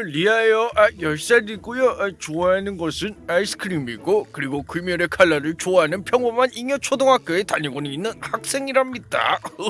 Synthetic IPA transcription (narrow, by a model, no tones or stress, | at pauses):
ɾiaejʌʔajʌɭs͈aɾiɡujoʔat͡ɕoaɦanɯnɡʌsʰɯnaisʰɯ̥kʰɯɾimiɡokɯɾiɡokuimjʌɾekʰaɭːaɾɯɭt͡ɕoaɦanɯnpʰjʌŋmomaniŋjʌt͡ɕʰodoŋɦak̚k͈eetaɲiɡonɯinːɯnhak̚s͈e̞ŋiɾamit͈a̰